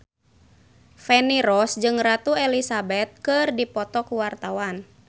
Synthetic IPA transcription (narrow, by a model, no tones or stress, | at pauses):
fɛniɾɔsd͡ʒɨŋrat̪uɛlisabɛt̪̚kɨrdipɔt̪ɔkuwart̪awan